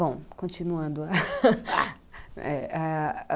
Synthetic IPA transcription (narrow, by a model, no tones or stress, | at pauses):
bõw̃kõt͡ʃinuɐ̃nd̪ʊa | ɛa